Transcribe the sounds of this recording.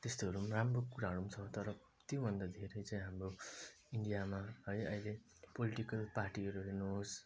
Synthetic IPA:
t̪est̪oɦʌɾumaramrokuɾaɦʌɽumt͡sʰʌt̪ʌɾʌ | t̪jobʱʌnd̪ad̪ʱeɾʌjt͡saĩɦamro | iɳɖijamaɦʌjʌile | poliʈikʌlparʈiʌɾuɦenuɦos

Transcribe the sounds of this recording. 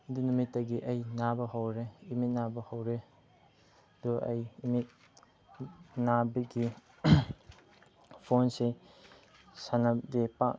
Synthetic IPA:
dunumitːɐɡiʔɐjnabɐɦɐwɾeimit̚nabɐhɐwɾe | duʔɐ̰jimit̚ | nabɐɡi | pʰonse | sanɐdepak

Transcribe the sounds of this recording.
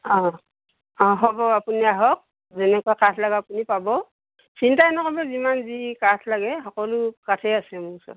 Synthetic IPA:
ɔ̃ | ɔ̃ɦɔbɔapuniaɦɔk̚ | zɛnɛkuakatʰlaɡaapunipabɔ | sintaɛnɔkɔbɛzimanzikatʰlaɡɛɦɔkɔlʊkatʰɛasɛmuŋsɔ̰

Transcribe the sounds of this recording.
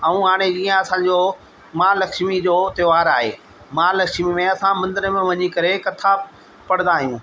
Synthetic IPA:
ɐũɦaːɽ̃ed͡ʑiːə̃ɐsãd͡ʑoː | mãːlɐkʃmid͡ʑoːt̪ɐʋaːɾaːɦḛː | mãːlɐkʃmimẽɐsãmɐ̃nd̪əɾəmẽʋɐɲikɐɾekɐt̪ʰa | pɐɽ̤̃nd̪aːɦijũː

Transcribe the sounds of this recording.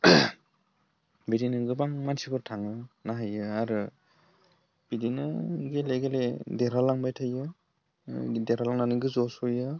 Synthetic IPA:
bedinɯɡɯbaŋmansibɯɾtʰaŋɯnaɦajɯaɾɯ | b̥idinɯɡeleɡeledeɾalaŋbajtʰajɯ | deɾalaŋnanɯɡɯzɔsujɯ

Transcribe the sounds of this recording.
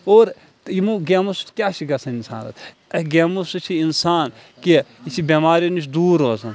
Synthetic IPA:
oːɾ | t̪imuɡeːmusu̥t̪kʲaːʃiɡɐsɐninsa̰ːnɐ̰t̪ | ɐɡemusut͡ʃʰiinsaːn | kiit͡ʃʰibʲemaːɾinut͡ʃʰd̪uːɾoːzɐn

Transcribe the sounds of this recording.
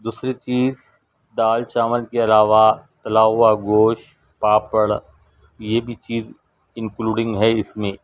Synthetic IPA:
d̪uːsɾit͡ʃiːz | d̪aːlt͡ʃaːməlkeɐlaːʋat̪ɐlaːʊaɡoːʃ | paːpəɽ | jebʱit͡ʃiːz | ɪ̃ŋkluːɖɪ̃ŋɡɦɛɪsmẽː

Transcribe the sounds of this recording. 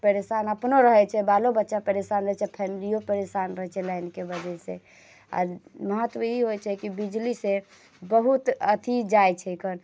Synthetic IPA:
pəɾesanəpnoɾəɦɛt͡ʃʰɛbalobətːʃapəɾesanɾəɦɛt͡ʃʰɛpʰɛmilijopəɾesanɾəɦɛt͡ʃʰɛlajnkebəd͡ʒese | a̰ɾməɦət̪ːwəiɦojt͡ʃʰɛkibid͡ʒlise | bəɦut̪ət̪ʰid͡ʒajt͡ʃʰɛjkʰən

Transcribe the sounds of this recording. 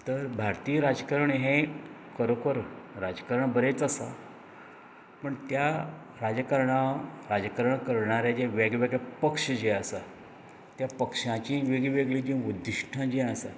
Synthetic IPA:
t̪əɾbʱaɾt̪iːɾad͡zkəɾəɳɦẽ | kəɾokəɾɾad͡zkəɾəɳbəɾet͡səsa̰ | pəɳt̪ja | ɾad͡zəkəɾɳaɾad͡zkəɾəɳkəɾɳaɾjad͡ʑeʋeɡʋeɡɭapəkʂəd͡ʑeasa | t̪japəkʂãt͡ɕĩʋeɡiʋeɡɭid͡ʑĩud̪ʱːiɕʈʰãd͡ʑeasa

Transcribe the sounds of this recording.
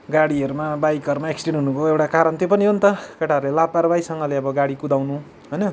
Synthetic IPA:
ɡaɽiʌɾumabajkʌɾmaeksʈeɳnɦunubʱoewʈakaɾʌnt̪jopʌniɦont̪ʌkʌʈaʌɾulelapaɾbajsʌŋɡʌleʌbʌɡaɽikud̪awnu | ɦʌjnʌ

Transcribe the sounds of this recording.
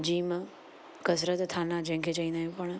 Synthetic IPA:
d͡ʒiːm | kəs̬ɾət̪t̪ʰːanad͡ʒẽɦŋkʰet͡ʃaĩnd̪aɦẽpəɳ̃

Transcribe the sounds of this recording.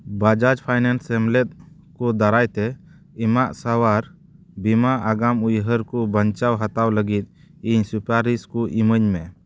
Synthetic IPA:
bad͡ʒad͡ʒpʰajnansɛmlɛt̪̚ | kud̪aɾajt̪ɛ | imaʔsawaɾ | bimaʔaɡamujɦəɾkubəɲt͡ʃawɦat̪awləɡit̪̚ | iɲsupaɾiskuʔiməɲmɛ

